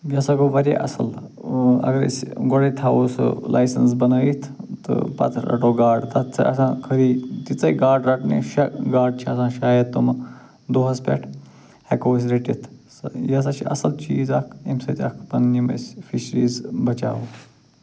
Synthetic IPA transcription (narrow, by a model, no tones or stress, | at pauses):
ɡɐsɐkoʋɐɾʲḛʔɐ̰sɐl | ɐ̰ɡɐɾḭsɡɔɽɐjt̪ʰaːʋosɨ̰lʔa̰ːjsɐnsbɐnɐit̪ʰt̪ɨ̰pɐ̰t̪ʰɾɐ̰ʈoːɡaːɖt̪ɐt̪t͡sʰɐ̰ʔɐ̰sãːkʰəɾiːt̪it͡sɐjɡaːɖɾɐʈnḭʃɐɡaːɖ̚t͡ʃʰiɐsãːʃaːjɐt̪ːom | d̪oːɦɐspʲɛ̰ʈʰ | hekoːs̬ʲɾeʈit̪ʰsjɐs̬ɐt͡ʃʰiʔɐ̰sɐlt͡ʃiːzɐkʰimsɐt̪ʲɐkʰpɐnnimɐ̰sʲfʰiʃɾiːzbɐt͡ʃa̰ːʋo